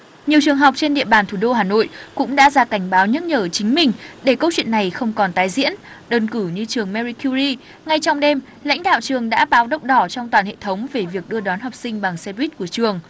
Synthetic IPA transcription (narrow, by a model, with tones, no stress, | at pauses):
ɲi˨˩əwt͡ɕɨ˨˩əŋɦɔ˨˩wk͡p̚t͡ɕe˧nɗḭ˧˨əɓaː˨˩nt̪ʰu˧˩ɗo˧ɦaː˨˩no̰˧˨jʔkʊ̰˧˥ŋ͡mɗa̰ː˧˥zaː˧˩ka˧˩jŋ̟ɓaː˨˦wɲə˦˥t̚ɲəː˧˩t͡ɕï˨˦ŋ̟mï˨˩ŋ̟ɗe˧˩kə˧wt͡ɕwi˧˨ənːa˨˩jxə˧wŋ͡mkɔ˨˩nt̪aː˨˦jzḭ˧˥ən | ɗəː˧nkɨ˧˩ɲɨ˧t͡ɕɨ˨˩əŋmɛ˧zi˧ku˧zi˧ | ŋa˧jt͡ɕɔ˧wŋ͡mɗe˧m | la̰˧˥jŋ̟ɗa̰ː˧˨wt͡ɕɨ˨˩əŋɗa̰ː˧˥ɓaː˨˦wɗə˦˥wk͡p̚ɗɔ˧˩t͡ɕɔ˧wŋ͡mt̪waː˨˩nhḛ˧˨t̪ʰə˨˦wŋ͡mve˨˩vi˨˩ək̚ɗɨ˧əɗwaː˨˦nɦɔ˨˩wp̚sï˧ŋ̟ɓa˨˩ŋsɛ˧vi˦˥t̚ku˧˩ət͡ɕɨ˨˩əŋ